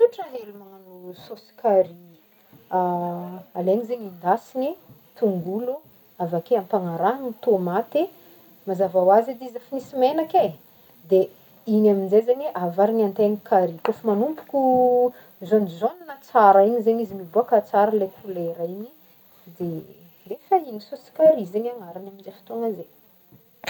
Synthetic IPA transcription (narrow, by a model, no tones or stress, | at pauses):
t̪uʈ͡ʂəɦelumanusosi̥kʰaɾi | aaleɲizeɲind̪asini | t̪uŋɡulu | avakeampaŋaɾaɦnit̪omat̪e | mazavawazid̪izəfinisimenake | d̪e | inaminzezeɲeʔavaɾinant̪enikʰaɾikofumanumpu̥kʲu | zonzoninat͡saɾaiɲizeɲizimiboakat͡saɾalekʰuleɾaiɲi | d̪e | d̪efainisusi̥kaɾizeɲaŋaɾanamind͡ʒefi̥t̪oŋaze